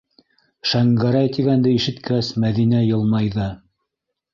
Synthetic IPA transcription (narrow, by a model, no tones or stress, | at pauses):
ʃæŋɡæɾæjt̪iɡænd̪ɘiʃɘ̆t̪kɘ̆ɾæsmæðinæjɤ̆lˠmɑjðɤ